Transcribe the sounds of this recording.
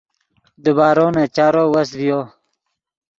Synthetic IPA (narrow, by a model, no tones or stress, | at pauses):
d̪ubaːɾoːnat͡ɕaːɾowɐsvijo